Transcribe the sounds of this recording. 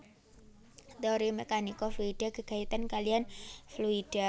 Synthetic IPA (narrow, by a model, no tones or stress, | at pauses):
t̪eoɾimekanikɔfluid̥aɡə̤ɡ̥ait̪ankalianfluid̥a